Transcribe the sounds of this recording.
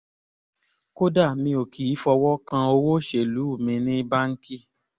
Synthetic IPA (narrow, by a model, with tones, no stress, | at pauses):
ko˦da˦˨mĩ˧˦o˨kʰi˨i˨˦fɔ˧wɔ˦kã˧o˧wo˦ʃe˨lu˨˦u˦˨mĩ˧˨nĩ˦ba˦ŋ̩˦ki˦